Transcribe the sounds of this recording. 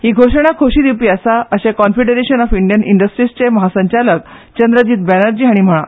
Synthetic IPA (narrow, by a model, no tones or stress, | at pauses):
hiːɡʱoʂəɽ̃akʰoɕiːd̪iwpiːəsaəɕẽkɔnfeɖəɾeɕənɔfiɳɖijənḭɳɖəsʈɾist͡ɕeməɦasəɲt͡ɕalək̚t͡ɕənd̪ɾəd͡ʑiːt̪̚bænəɾd͡ʑiːɦaɽ̃im̤əɭ̃ã̰